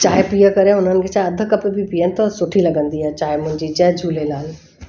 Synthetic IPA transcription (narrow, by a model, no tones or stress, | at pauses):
t͡ʃaːɦepijəkɐɾẽʊn̤ənɪ̆kʰet͡ʃaːeɐd̪ʱəkɐpebʱipiənt̪ɐsʊʈʰilɐɡə̃nd̪iɦɛːt͡ʃaːemʊ̃ɦɪ̃ɲd͡ʑid͡ʒɛːd͡ʒʱuːlelaːl